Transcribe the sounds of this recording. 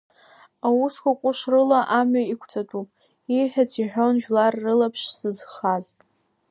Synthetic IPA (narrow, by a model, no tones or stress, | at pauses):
awuskʷakʷʼʊʂrɨlaʔamɥaikʷʰt͡sʼatʰʼupʼ | iħʲᶣat͡sʰiħʷᶣonʒᶣlarːɨlapʰʂsɨzχazʼ